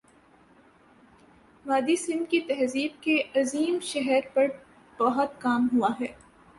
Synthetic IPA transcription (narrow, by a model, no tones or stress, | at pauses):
ʋaːd̪isɪ̃nd̪kit̪ɛɦziːb̚keʔɐziːmʃɛɦɛɾpɐɾ | b̥ɐɦɔt̪kaːmɦuaɦɛː